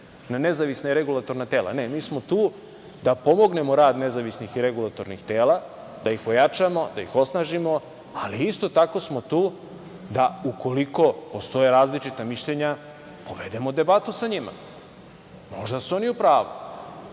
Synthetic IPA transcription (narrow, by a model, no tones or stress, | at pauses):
nane̞zaʋisnaiɾeɡulˠat̪o̞ɾnat̪eːla̰nemiːsmo̞t̪uː | d̪apo̞mo̞ɡne̞moɾaːd̪nezaʋisnixiɾeɡulˠat̪o̞ɾnixt̪eːlˠa | d̪aixpojat͡ʃamo̞d̪aixo̞snaʒimo̞ | aliist̪o̞t̪ako̞smo̞t̪uː | d̪auko̞liko̞po̞st̪o̞jeɾaːzlit͡ʃit̪amiʃʎeɲa | poʋe̞d̪e̞mo̞d̪e̞bat̪usaɲima̰ | mo̞ʒd̪asuo̞niupɾaːʋṵ